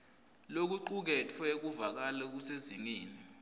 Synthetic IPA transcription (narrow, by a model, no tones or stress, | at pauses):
lok̬uǃuk̬ɛtʰɛek̬uvak̬alɛk̬useziŋeːni